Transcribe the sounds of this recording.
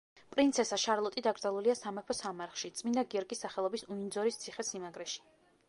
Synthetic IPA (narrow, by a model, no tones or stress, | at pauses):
pʼɾint̪sʰɛsaʃaɾlˠɔt̪ʼid̪aɡɾd̪zalˠuliasamɛpʰɔsamaɾχʃit̪sʼmind̪aɡiɔɾkʼisːaχɛlˠɔbisuind̪zɔɾist̪sʰiχɛsimaɡɾɛʃi̥